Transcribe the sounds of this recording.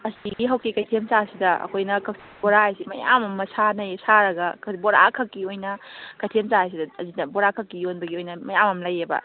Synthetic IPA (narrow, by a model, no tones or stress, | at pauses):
ɐsiɡiɦɐwkikɐjtʰemt͡ʃasidɐɐ̰kʰojnɐkʰɐk̚siboɾaajsimɐja̰mɐmːɐsanɐjsaɾɐɡɐkʰboɾa̰kʰɐkːiojnɐkɐjtʰemsaajs̬idɐɐzidɐboɾakʰɐkːijonbɐɡiojnɐmɐjamɐmlɐjebɐ̰